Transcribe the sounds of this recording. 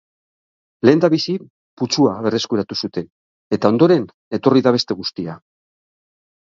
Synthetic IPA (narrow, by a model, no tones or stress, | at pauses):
le̞ːnd̪aβisi | put͡ʃuaβe̞re̞skuɾat̪usut̪e̞n | e̞t̪ao̞nd̪o̞ɾe̞n | e̞t̪o̞riðaβe̞st̪e̞ɣust̪ia